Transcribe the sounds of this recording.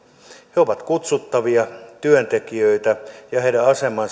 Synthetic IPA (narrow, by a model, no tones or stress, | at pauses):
heoʋɑt̪kut̪sut̪ːɑʋiɑt̪yønt̪ekiøit̪æjɑheiɾæɑsemɑn